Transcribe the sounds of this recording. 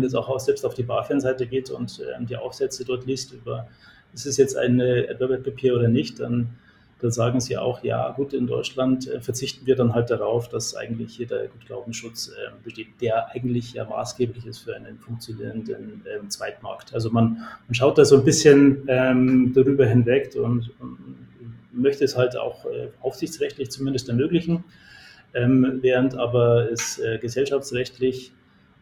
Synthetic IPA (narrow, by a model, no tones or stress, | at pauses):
ɛnjɛt͡saʊxaʊxz̥ɛlpstaʊfd̥iːbaːɐfɛnzaɪtəɡeːtʊ̰ntʔɛ̰ːmd̥iːʔa̰ʊfz̥ɛt͡sədɔɐtliːstʔyːbɐ | ɛsɪsjɛt͡stʔa̰ɪnəʔɛ̰tvɐbɛpʰepʰiːoːdɐnɪçtd̥an | d̥anzaːɡŋ̩ziːʔa̰ʊxja̰ːɡuːtɪndɔʏt͡ʃlantʔɛ̰ːfɛɐt͡sɪçtn̩viːɐdanɦalt̚d̥aʁaʊfd̥asʔa̰ɪɡŋ̩tlɪçhiːɐdḛːɐɡ̥uːt̚ɡ̥la̰ʊbm̩sʃʊt͡sʔɛ̰ːmb̥əʃteːt̚d̥eːɐʔaɪɡŋ̩tlɪçja̰ːma̰ːsɡ̥eːplɪçɪstfyːɐʔaɪnənfʊŋk̚t͡sjonḭːʁəndənʔɛːmt͡sv̥aɪtma̰ɐktʔalzomanmanʃ̬aʊt̚d̥aːzoːnbɪsçənʔɛmdaʁyːbɐɦɪnvɛkʊ̰ntʊn | mœçtəːshalta̰ʊxʔɛ̰ːʔaʊfz̥ɪçt͡sʁɛçtlɪçt͡sumɪndəstɛɐmøːklɪçn̩ | ʔɛːmveːʁəntʔaːbɐɛsʔɛːɡəzɛlʃaft͡sʁɛçtlɪç